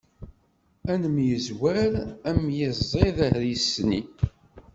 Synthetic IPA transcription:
ænəmjəzwæɾæmjɪzˤːeðæhɾisːni

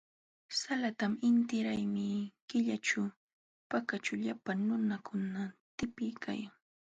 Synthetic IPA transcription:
salat̪amɪnt̪ɪɾajmɪkɪʎaʈ͡ʂa | pakat͡ʃaʎapaŋnʊnakʊnat̪ɪpɪjkʰa̰jaŋ

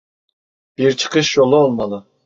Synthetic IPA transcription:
b̥iɾt͡ʃʰə̥qʰəʃjolˠɨolˠmɑd̪ɨ

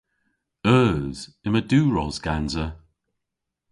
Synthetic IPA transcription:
œːz̥ | ɪməduːɹɔzɡ̥anzə

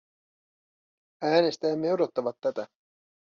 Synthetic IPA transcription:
æːne̞st̪æːmːe̞wdot̪ːɑʋɑt̪ːæt̪æ

